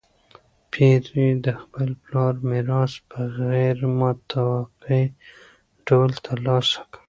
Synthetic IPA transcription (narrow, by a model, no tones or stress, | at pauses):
pʰiɾid̪əxpəlplɑɾmɪɾɑsbəɣɛɾmt̪ʰawaqi | ɖolt̪ʰalɑsḁkḁ